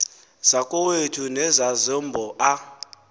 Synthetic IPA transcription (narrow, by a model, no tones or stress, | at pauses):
z̥akʼɔwetʰunɛzazɔmbʱɔʔa